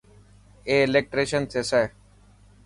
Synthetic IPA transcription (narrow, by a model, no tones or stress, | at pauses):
eːlek̚ʈɾeːʃənsesaj